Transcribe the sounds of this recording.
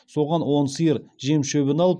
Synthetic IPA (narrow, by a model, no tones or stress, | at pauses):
so̞ʁɑnwo̞nsəjəɾʒe̞mʃøβɪnɑlˠəp